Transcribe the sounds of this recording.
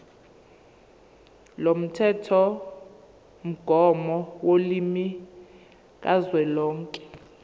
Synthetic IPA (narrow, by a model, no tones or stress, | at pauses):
lom̩tʰɛtʰɔ | m̩ɡ̥ʱɔmɔwolimi | k̬ʼazwɛlɔːŋkʼɛ̥